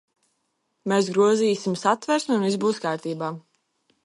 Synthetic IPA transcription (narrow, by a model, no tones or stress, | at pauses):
meːsɡɾuɔziːjsimsat̪vɛɾsnunizbuːskaːɾt̪iːbaː